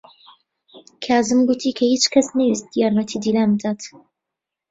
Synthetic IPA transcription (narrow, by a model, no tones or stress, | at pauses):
kʰaːzɨmɡut̪ʰiːkʰɐhiːt͡ʃkʰɐsnɐjist̪̚jaːɾmɐt̪ʰiːd̪iːlaːmbɨd̪aːt̪